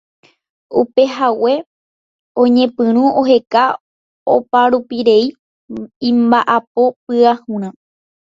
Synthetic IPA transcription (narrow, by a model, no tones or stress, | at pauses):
upe̞ɦawe̞ | õɲẽ̞pɨ̃ɾ̃ũoɦe̞ka | opaɾupiɾe̞i | ĩmbaʔapo̞p̚ɨahũɾ̃ã